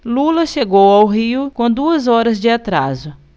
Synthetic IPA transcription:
lulɐʃeɡowawɦiʊkõd̪uɐzɔɾɐzd͡ʒɪat̪ɾa̰zʊ

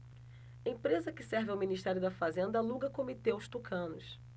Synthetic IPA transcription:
ẽpɾezɐkɪsɛɾvɪawminiʃt̪ɛɾjʊd̪ɐfazẽnd̪ɐluɡɐkomit̪ewʃt̪ukʰɐ̃nʊs

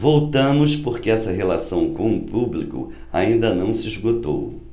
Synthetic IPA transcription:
vowt̪ɐ̃mʊspoɾkɪɛsɐɦelasɐ̃w̃kõw̃upublikʊ̰ | a̰ĩnd̪ɐnɐ̃w̃sɪizɡot̪o̰w

